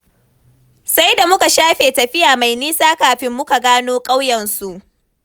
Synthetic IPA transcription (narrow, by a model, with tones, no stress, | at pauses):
sa˦jda˨mʊ˦ka˨ʃaː˦ɸeː˨tɐ˨ɸɪ˦jaː˨ma˨jniː˦saː˦kaː˨ɸɪ˦mːʊ˦ka˨ɡaː˦noː˦kʼa˦wjɐ˨nsu˨ʔ